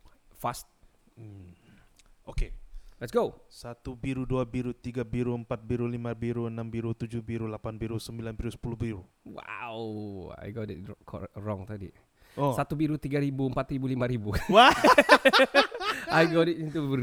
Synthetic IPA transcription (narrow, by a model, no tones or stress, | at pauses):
fast̪̩̚ | okelɛtsɡosat̪ubiɾuduabiɾut̪iɡabiɾuəmpat̪̚biɾulimãbiɾuənãmbiɾut̪ud͡ʒuhbiɾulapanbiɾusəmbilanbiɾusə̥puluhbiɾu | wa̰wa̰jɡɔtḭt̚kʰɔ̰rɔŋt̪adḭ | ɔsat̪ubiɾut̪iɡaɾibuəmpat̪ɾibulimãɾibuwa | ajɡɔtitint̪u